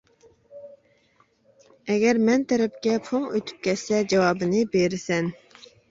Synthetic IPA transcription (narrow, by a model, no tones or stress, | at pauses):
ɛɡʲɛɾmɛnt̪ʰɛɾɛpkʲɛpʰoŋøt̪ʰy̥p̚kʲʰɛt̪sɛd͡ʒɑwɑːbɨnɨbeɾɪsɛn